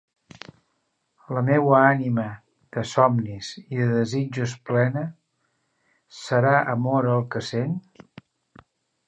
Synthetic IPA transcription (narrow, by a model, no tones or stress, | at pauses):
ləmɛwəanimə | ðəsɔmniziðəðəzid͡ʒus̬plɛnə | səɾaʔəmɔɾəəːlˠkəsen